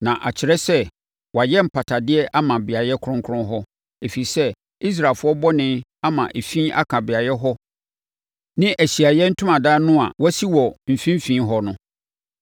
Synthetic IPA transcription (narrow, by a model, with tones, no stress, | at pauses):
nã˨ʔa˨t͡ɕʰɪ˨ɾɛ˦sɛ˦ | wɔ˨a˨jɛ˦m̩˨pʰa˨tʰa˨dɪ˦ɛ˦ʔa˦mã˨bɪ˨a˨jɛ˦kʰʊ˦ɾʊ̃˦ŋ˦kʰʊ˦ʊ̃˦ɦɔ˦ | e˨fi˨i˨sɛ˦ | i˦s̬ɾa˨fʊ˦ɔ˦bɔ˦nɪ̃˦a˦mã˨ʔe˨fĩ˦ʔa̰˦kʰã˨bɪ˨a˨jɛ˦ɦɔ˦ | nɪ̃˦ʔæ˨ɕi˨a˨jɛ˦n̩˦tʰʊ̃˦mã˨daː˦nʊ̃˦a̰˨wɔ˦si˦wɔ˨m̩˨fĩ˦m˦fĩ˦ɦɔ˦nʊ̃˦